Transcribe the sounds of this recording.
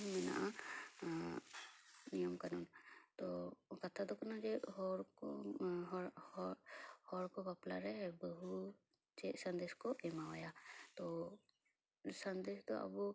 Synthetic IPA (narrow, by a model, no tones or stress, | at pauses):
mɛna̰ʔa | nijɔmkanɔnt̪ɔkat̪ʰad̪ɔkanad͡ʒɛɦɔɾkɔɦɔɾ | hɔɾkɔbaplaɾɛbəɦu | d͡ʒɛsɐnd̪eskɔʔɛmawajat̪ɔ | sand̪esd̪ɔa̰bu